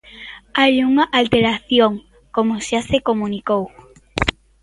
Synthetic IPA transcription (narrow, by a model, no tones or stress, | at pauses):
ajuŋaʔalt̪eɾaθjoŋ | komoʃasekomũnikow